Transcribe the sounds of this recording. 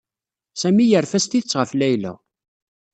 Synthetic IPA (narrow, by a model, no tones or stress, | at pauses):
sæmijəɾfæst̪it͡sːʁəflæjlə̰